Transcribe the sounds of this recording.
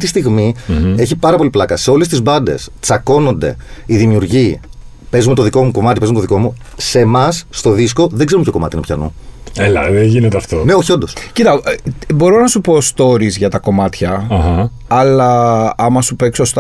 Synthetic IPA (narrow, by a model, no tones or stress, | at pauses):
t̪ist̪iɣmie̞çipɐɾɐpo̞liplɐkɐse̞o̞lest̪izbɐnd̪e̞̰st͡sɐko̞no̞nd̪e̞̰iðimiuɾʝi | pe̞zume̞t̪oðiko̞muko̞mɐt̪ipzumet̪ðiko̞mu | se̞mɐsːt̪o̞ðisko̞ðeɡzeumpçʰo̞ko̞mɐt̪inpçɐ̰nṵelɐ̰ðeʝinet̪eɐft̪one̞o̞çio̞nd̪o̞scit̪ɐbo̞ɾo̞nɐsupo̞st̪o̞ɾizʝɐt̪ɐko̞mɐt̪çɐɐhɐ | ɐlɐɐmɐsupe̞ksost̪